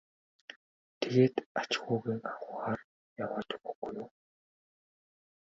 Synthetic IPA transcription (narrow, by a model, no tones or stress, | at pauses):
t̪ʰeɣeːt̪at͡ɕɪxʊːɣiːŋaɣʊːχaːr | jawaːt̪ʊɡɵɡ̥ujʊː